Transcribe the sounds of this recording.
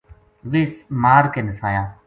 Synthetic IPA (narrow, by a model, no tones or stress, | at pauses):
liːsmaːɾkenɪsaːjaː